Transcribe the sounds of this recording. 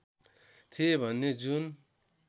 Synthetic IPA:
t̪ʰiebʱʌnːed͡zun

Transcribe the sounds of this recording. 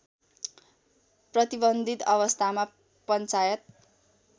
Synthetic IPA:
prʌt̪ibʌnd̪ʱit̪ʌβʌst̪ʰama | pʌnt͡sajʌt̪̚

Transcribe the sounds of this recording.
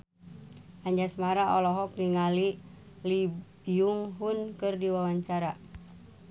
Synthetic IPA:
ʔaɲd͡ʒasmaɾaʔɔlɔɦɔk̚niŋali | libiuŋɦunkɨrdiwawaɲt͡ʃaɾa

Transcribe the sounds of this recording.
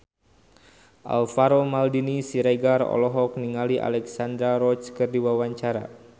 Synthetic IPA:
ʔa̰lfaɾomaldinisiɾeɡarɔ̰lɔɦɔk̚niŋaliʔa̰lɛksand̪ɾaɾɔt͡ʃkɨrdiwawaɲt͡ʃaɾa̰

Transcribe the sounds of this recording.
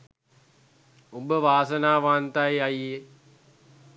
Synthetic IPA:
ubəʋaːsənaːʋaːnt̪ajeaje

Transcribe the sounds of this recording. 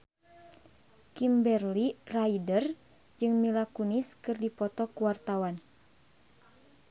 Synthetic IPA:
kimbɛrliraidər | d͡ʒɨŋmilakuniskɨrdipɔt̪ɔkuwart̪awan

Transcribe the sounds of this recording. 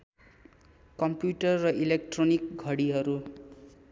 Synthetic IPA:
kʌmpjuʈʌrːʌʔilek̚ʈronik̚ɡʱʌɽiɦʌɾu

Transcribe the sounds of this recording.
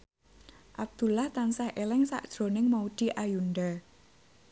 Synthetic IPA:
ʔab̚d̪̥ṳlaht̪ansahʔelɪŋsa̰ʔd̥ʒ̥ɾo̤nɪŋmaud̪̥i̤ʔajunɖa

